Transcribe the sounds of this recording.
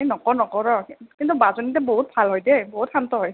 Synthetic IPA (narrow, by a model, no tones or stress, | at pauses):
enɔkɔnɔkɔɹɔkint̪ubazonitɛboɦut̚bʱalɦɔjdeboɦutxantɔɦɔj